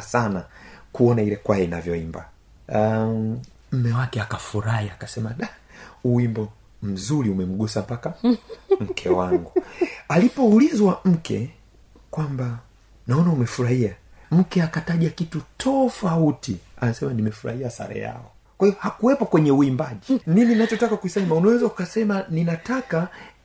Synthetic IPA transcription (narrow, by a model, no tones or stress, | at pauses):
sanakuɔnailɛkwaɛina̰vjɔimba | m̩mɛwakɛakafuɾahiakasɛmaɗa | uwimbɔ | m̩zuɾiumɛm̩ɠusampakam̩kʰɛwaŋɡualipɔulizwam̩kʰɛ̰ | kwamba | naɔnaumɛfuɾahia | m̩kɛakataʄakitutʰɔfautianasɛmanimɛfuɾa̰hiasa̰ɾɛ̰ja̰ɔ | kwahiɔhakuwɛpɔkwɛɲɛuimbaʄinininat͡ʃɔtakakuisaimaunawɛzaukasɛmaninataka